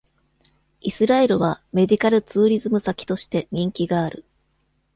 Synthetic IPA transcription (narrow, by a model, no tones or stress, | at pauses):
isɨɾae̞ɾɯ̟βame̞d̪ʲikaɾɯ̟t͡sɨːɾʲizɨmɯ̟sakʲi̥t̪o̞ɕi̥t̪e̞ɲ̟ĩŋkʲiɡaːɾɯ̟